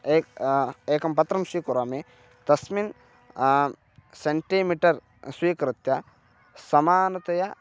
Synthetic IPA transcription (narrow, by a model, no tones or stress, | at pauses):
eːkeːkɐmpɐt̪ɾɐmswiːkuɾaːme | t̪ɐsmin | seɳʈimiʈɐɾ | swiːkɾɐt̪jɐ | sɐmaːnɐt̪ɐja